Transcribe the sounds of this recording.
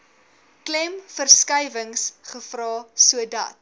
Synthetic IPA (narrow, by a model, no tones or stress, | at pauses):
klɛmfərskɐjvəŋsχəfrɑːsuədɐ̰t